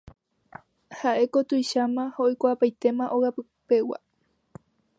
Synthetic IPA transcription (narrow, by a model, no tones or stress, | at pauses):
haʔe̞kot̪ujʃamãhoojkʷapajt̪e̞mãʔoɣapɨ | pe̞wa̰